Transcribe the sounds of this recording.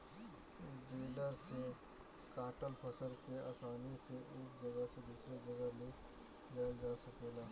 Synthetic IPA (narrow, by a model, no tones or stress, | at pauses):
ɖeːləɾse | kaːʈəlpʰəsəɾkea̰ːsaːniseʔeːk̚d͡ʒɐɡəɦsed̪uːsɾed͡ʒɐɡəɦle | d͡ʒaːld͡ʒaːsɐkeːlaː